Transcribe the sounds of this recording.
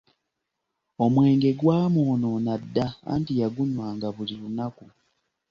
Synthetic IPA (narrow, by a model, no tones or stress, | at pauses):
o̞mwe̞ːŋɡe̞ɡwaːmoːno̞nadːaa̰ːntijaɡuɲwaːŋɡaβulilunaku